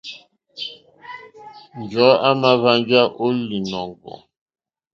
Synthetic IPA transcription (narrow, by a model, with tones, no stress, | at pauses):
nd͡ʒɔ˨˦a˦ma˦βa˦nd͡ʒa˦ʔo˦li˨nɔ˨ŋɡɔ̰˨